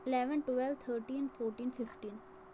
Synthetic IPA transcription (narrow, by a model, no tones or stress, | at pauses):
ɪlɛʋə̃nʈʋɛlt̪ʰəːɾʈĩːnfoːɾʈĩːnfɪfʈĩːn